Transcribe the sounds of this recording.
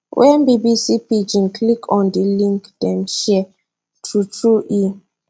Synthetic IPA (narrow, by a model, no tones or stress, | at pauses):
wʔɛnbibisipid͡ʒĩnkʰlikʰɔ̃ndilĩŋkd̥ɛ̃mʃɛ | tʰutʰuʔi